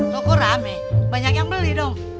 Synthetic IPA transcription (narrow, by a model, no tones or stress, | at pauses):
lɔkɔɾamɛ | baɲakjaŋbəlidɔŋ